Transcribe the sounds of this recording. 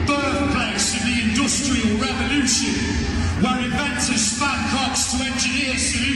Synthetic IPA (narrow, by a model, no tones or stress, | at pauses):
b̥ɜˑ˞θpʰl̥eɪsɪ̃nðiɪ̃ndʌstɹ̥iəlˠɹɛvəlʉˑʃɨ̃n | wəɹɪvɛ̃ntɪz̥spãnkʰɑˑtstʰəɛ̃ntiɪəz̥əʉ